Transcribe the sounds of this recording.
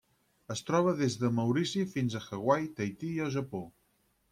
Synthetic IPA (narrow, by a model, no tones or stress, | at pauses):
əst̪ɾɔβ̞əðezðəməwɾisifinzəxəɣwajt̪əjt̪iːəlˠʒəpo